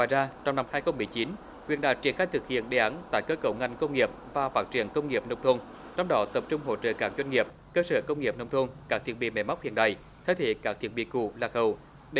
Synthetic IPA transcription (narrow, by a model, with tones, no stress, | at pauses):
aː˧˩˨jzaː˧t͡ɕɔ˧wŋ͡mna˧mhaː˧jxə˧wŋ͡mmɨ˨˩əjt͡ɕi˨˦n | hwḭ˧˨ənɗa̰ː˧˨˩jt͡ɕḭ˧˩ənxa˧jt̪ʰɨ˨˩k̚hḭ˧˨ənɗe˨˩ʔa˨˦nt̪a̰ː˧˨jkəː˨˦kə˧˩wŋa˨˩jŋ̟kə˧wŋ͡mŋi˨˩əp̚vaː˨˩faː˦˥t̚t͡ɕḭ˧˩ənkə˧wŋ͡mŋi˨˩əp̚nə˧wŋ͡mt̪ʰu˧ən | t͡ɕɔ˧wŋ͡mɗɔ˨˦t̪ə˨˩p̚t͡ɕʊ˧ŋ͡mɦo̰˧˨t͡ɕə̰ː˧˨kaː˦˥k̚zwa˧ŋŋi˨˩əp̚kəː˧səː˧˩kə˧wŋ͡mŋi˨˩əp̚nə˧wŋ͡mt̪ʰu˧nkaː˦˥k̚t̪ʰi˨˧˩əɓḭ˧˨mɛ̰˧˩ma˦˥wk͡p̚hḭ˧˨ənɗa̰ː˧˩˨j | t̪ʰə˨˦jt̪ʰḛ˧˨kaː˦˥t̪ʰi˨˩ən̚ɓḭ˧˨kṵ˧˩laː˨˩xə˨˩w | ɗ